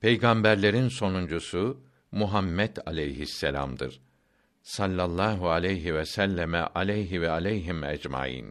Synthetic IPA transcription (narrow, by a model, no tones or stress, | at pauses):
pʰe̞jɡambæɾlʲe̞ɾinso̞nund͡ʒusu | muɦamːɛt̪ʰa̰lʲejɦisːelʲa̰md̪ɯɾ̥ | salʲːalˠːaːɦualʲejɦivɛsælʲːɛmɛ̰ʔalʲejɦivɛalʲejɦimɛd͡ʒma̰ːjḭn